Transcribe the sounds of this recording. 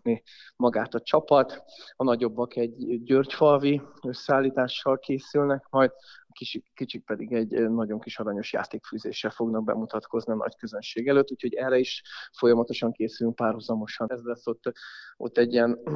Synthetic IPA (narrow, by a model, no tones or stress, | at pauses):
ni | mɒɡaːt̪ɒt͡ʃɒpɒt̪ɒnɒɟo̞bːɒkɛɟːørcfɒlviøsːɛaːlːiːt̪aːʃːɒlkʰeːsylnɛkmɒjd̪̚ɒkit͡ʃikːit͡ʃik̚pɛd̪iɡɛɟnɒɟo̞ŋkiʃɒɾɒɲo̞ʃja̰ːt̪eːkfyːzḛːʃɛfo̞ɡnɒɡ̚bɛ̰mut̪ɒt̪kʰo̞zniɒnɒ̰ckøzø̞nʃeːɡɛløːt̪ːuːcho̞ɟɛrɛiʃfo̞jɒmɒt̪o̞ʃɒŋkeːsylyŋk̚paːrɦuzɒmo̞ʃɒnɛzlɛsːo̞t̪ːʔo̞̰t̪ːɛɟːiɛn